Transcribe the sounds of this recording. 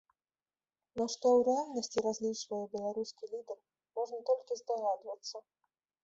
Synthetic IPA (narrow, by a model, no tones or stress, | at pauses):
nɔʂt̪ɔwɾɨalʲnɐsʲt͡sʲiɾazʲlʲit͡ʂvɐjɛbʲɛlˠaɾuskʲilʲid̪ɛr | mɔʐnɐt̪ɔlʲkʲizd̪aɣad̪vɐt̪sːɐ